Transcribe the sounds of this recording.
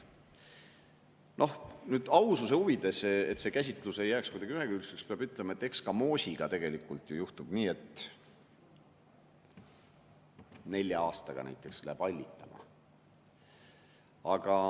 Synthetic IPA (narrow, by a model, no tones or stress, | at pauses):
nʔo̞hnyːd̪̥ɑwsuse̞uvid̪̥e̞sḛt̪se̞kæs̬ʲit̪ˑluse̞jːæːkskujd̪̥ɑɡiyɦeɡ̥ɑylsekspeɑb̥yt̪ːˑlemɑet̪ːˑe̞kskɑmo̞ːsʲiɡ̥ɑt̪e̞ɡ̥e̞likːˑult̪jujuht̪ub̥niːe̞t̪ː | ne̞lʲːjɑɑːst̪ɑɡ̥ɑ̰næ̰jt̪ːˑe̞kslæ̰b̥ɑlʲːit̪ːˑɑmɑ̰ | ɑɡ̥ɑ